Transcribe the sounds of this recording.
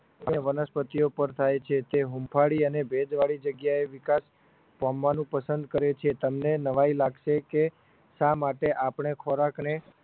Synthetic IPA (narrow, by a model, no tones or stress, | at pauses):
aeʋənəspət̪iopəɾt̪ʰajt͡ʃʰet̪eɦumpʰaɽiənebʱed͡ʒʋaɭid͡ʒəɡjaeʋɪkas | pamʋanũpəsənd̪̚kəɾet͡ʃʰet̪əmnenəʋailaɡʃeke | ʃamaʈeʔapɳ̃ekʰoɾakne